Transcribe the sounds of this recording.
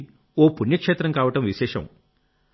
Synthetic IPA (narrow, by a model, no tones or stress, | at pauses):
oːpuɳjɐkʂeːt̪ɾɐmŋkaːʋɐʈɐmʋiʃɛːʂɐ̰m